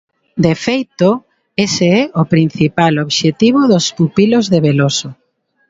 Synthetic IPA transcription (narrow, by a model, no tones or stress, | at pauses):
d̪efejt̪o | eseɛopɾin̟θipaloβʃet̪iβ̞oðospupilozðeβeloso